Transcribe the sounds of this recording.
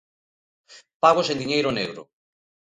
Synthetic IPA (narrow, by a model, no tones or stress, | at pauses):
paɣ̞osẽnd̪iɲejɾoneɣɾo̰